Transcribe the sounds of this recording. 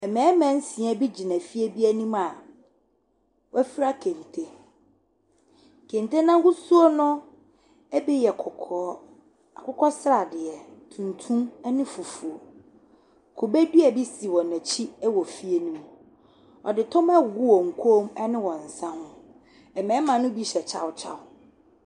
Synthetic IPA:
ɛ˨mɛ̃ː˨˦mæ̃˦n̩˦sĩ˨ɛ̃˦bi˦d͡ʑi˨næ̃˨fi˦e˦bi˦æ˦nũ˦ma˨ | wɔ˦æ˦fi˦ɾa˦kʰẽ˨n˨tʰe˦˨ | kʰẽ˨n˨tʰe˦nã˦hu˦su˦o˦nʊ̃˦ | ɛ˦bɛ˦jɛ˨kʰɔ˨kʰɔː˦ | a̰˨kʊ˦kɔ˦sɾa˨dɪ˨ɛ˨tʰũ˨ntʰũ˦m˦nɪ̃˦fu˨fu˨o˨ | kʰo˨be˦du˦ɛ˨bi˦si˨wɔ̃˨næ̃˨t͡ɕʰi˦ɛ˦wɔ˨fi˦e˦nũ˦m˨ | ɔ̰˨dɪ˨tʰɔ̃˦ma˦˨ɡu˦wɔ˨ŋ̩˨kʰo˦mɛ˦nɪ̃˦wɔ̃˨n̩˨sã˦hʊ̃˦ | ɛ˨mɛ̃˨˦mã˨nʊ̃˦bi˦ɕɛ˨t͡ɕʰa̰˦wt͡ɕʰa̰˦˨ʊ˦

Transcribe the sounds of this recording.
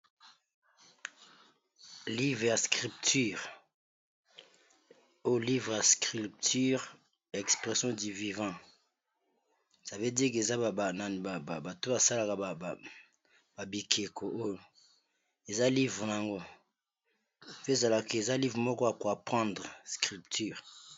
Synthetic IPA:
li˦vʁe˨ja˨skʁi˨p̚ty˦˨ʁ | o˦jo˨li˦vʁja˨skʁi˨ptʰy˦ʁ | ja˨ɛ˨kspʁe˨sjɔ̃˦di˨vi˨vɑ̃˦˨ | sa˨ve˦di˦k̬e˨za˦ba˨ba˨na˨n˨ba˨ba˨ba˨to˦ba˨sa˦la˨ka˨ba˨ | ba˨bi˨kʰe˨kʰo˨ʔo˦jo˨ | e˨za˦li˦vʁna˨a˨ŋɡo˦ | pe˦za˨la˨ke˨e˨za˦li˦vʁmɔ˦kɔ˦ja˨ko˨a˨pχɑ̃˦ndʁskʁi˨ptʰy˦ʁ

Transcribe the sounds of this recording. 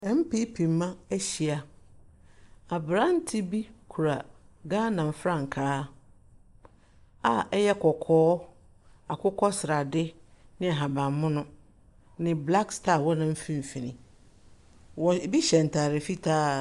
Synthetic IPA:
ɛ˦m̩˦pe˦pʰĩ˨m˦mːã˦æ˦ɕi˨a˨ | a˨bɾã˦n̩˦tʰɪ˦bi˦kʰu˨ɾa˨ɡaː˦nã˨m˨fɾã˦˨ŋ̩˨kʰaː˦ | a˨ɛ˦jɛ˦kʰɔ˨kʰɔː˦ | a˨kʰʊ˦kʰɔ˦sɪ˨ɾa˨dɪ˦nɪ̃˦a˨ɦa˨bã˨mmːʊ̃˦nʊ̃˦ | nɪ̃˨bla˦kstʰa˦˨wɔ˦nã˦m̩˦fĩ˦m˨fĩ˨nĩ˨ | wɔ˨bi˦ɕɛ˨n̩˨tʰaː˨ɾɪ˨fi˦tʰaː˦

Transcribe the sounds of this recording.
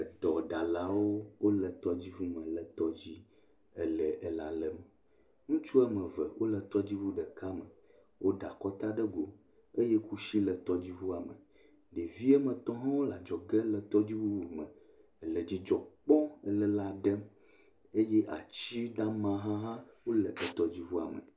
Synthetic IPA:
ə˨d̪ɔ˨ɖa˨la˨wo˦wo˦lə˨t̪ɔ˦d͡ʑi˦vu˦mə̃˨lə˨t̪ɔ˦d͡ʑi˦ | ɛ˨lə˨ʔɛ˨la˨lə˨mə˨ | ŋũ˦t͡ʃu˦ɛ˦mə̃˨və˨wʔo˦lə˨t̪ɔ˦d͡ʑi˦vu˦ɖə˨ka˦mə˨ | wʔo˦ɖa˨kɔ˦t̪a˦ɖə˦ɡo˨ | e˦jɛ˦ku˦ʃi˦lə˨t̪ɔ˦d͡ʑi˦vu˦a˨mə̰˨ | ɖe˨vi˦ɛ˦mə̃˨t̪ɔ̃˦ɦã˦wo˦la˨d͡ʒɔ˨ɡə˦lə˨t̪ɔ˦d͡ʑi˦vu˦wu˨mə̃˨ | ə˨lə˨d͡ʑi˦d͡ʒɔ˨k͡pɔ̃˦ɛ˨lə˦la˨ɖə˦ | e˦jɛ˦ʔa˨t͡ɕi˦ɖa˦mã˦ɦã˦ɦã˦wo˦lə˨ʔə˨t̪ɔ˦d͡ʑi˦vu˦a̰˨mə̰˨

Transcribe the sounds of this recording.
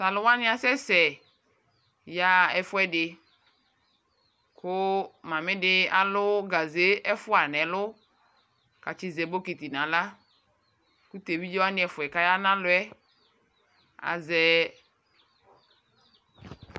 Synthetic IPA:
sa˨lʊ˨wa˦nɪ̃˦a˨sɛ˦sɛ˨ | ja˦ɛ˨fʊ˦ɛ˦dɪ˨ | kʊ˦mã˨mɪ̃˦dɪ˦a˨lʊ˦ɡa˨ze˦ɛ˦fʊ˦a˨nɛ̃˨lʊ˦ | ka˨t͡ʃɪ˦zɛ˨bo˦ki˨t̪i˨nã˨la˦ | ku˦t̪e˨bi˦d͡ʒɔ˦wa˦nɪ̃˦ɛ˨fʊ˨ɛ˨ka˦ja˦nã˦lʊ˨˦ɛ˦ | a̰˨zɛ˨

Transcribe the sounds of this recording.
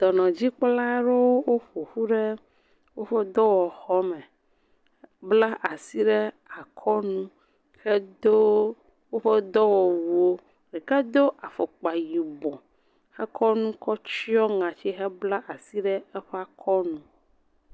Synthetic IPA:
d̪̥ɔ˨nɔ̃˨d͡ʑi˦k͡pla˦ɖe˦wo˦wo˦ɸo˨ɸu˦ɖɛ˦ | wo˦ɸɛ˦d̪ɔ˦wɔ˨xɔ˦mɛ˨ | bla˦ʔa˨si˦ɖɛ˦ | a˨kʰɔ˦nũ˦ | xɛ˦d̪o˦ | wo˦ɸɛ˦d̪ɔ˦wɔ˨wu˨o˦ | ɖi˨ka˦d̪o˦ʔa˨fɔ˨k͡pa˨ji˨bɔ̃˨ | xɛ˦kʰɔ˦nũ˦kɔ˦t͡ʃi˦ɔ˦ŋã˨t͡ɕi˦ɦɛ˦bla˦ʔa˨si˦ɖɛ˦ɛ˦ɸa˦kʰɔ˦nũ˦

